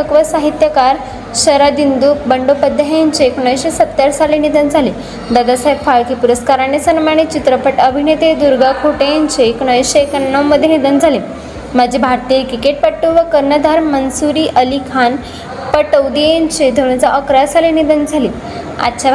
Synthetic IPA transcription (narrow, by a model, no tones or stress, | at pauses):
əkʋəsaɦit̪jəkaɾ | ɕəɾad̪ind̪ubəɳɖopəd̪ʱjaɦjãɲt͡ɕeːkɳəjɕesət̪ːjaɾsalenid̪ənd͡zʱali | d̪ad̪asajfaɭkiːpuɾəskaɾanesənmaɳ̃et͡ɕit̪ɾəpəʈəbʱinet̪ed̪uɾɡakʰoʈejaɲt͡ɕeːkɳəjɕeekənːəwməd̪ʱjenid̪ənd͡zʱali | mad͡ʑʱibʱaɾt̪ikikeʈ̚pəʈːuʋəkəɾnəd̪ʱaɾmənsuɾiːʔəlikʰan | pəʈəwd̪ijaɲt͡ɕed̪ʱoɽ̃ət͡saʔəkɾajasalinid̪ənd͡zʱaliː | a̰tːɕa